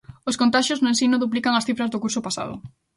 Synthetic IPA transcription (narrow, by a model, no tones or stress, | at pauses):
oskont̪aʃjoznʊensinʊðup̬likaŋɐsθifɾɐzðokuɾsopasa̰ð̞ʊ̰